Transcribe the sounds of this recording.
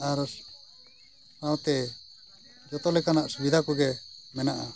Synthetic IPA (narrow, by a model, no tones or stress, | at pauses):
aɾ | tãw̃t̪ɛ | d͡ʒɔt̪ɔlɛkanaʔsubid̪ʱakuɡɛmɛnaʔa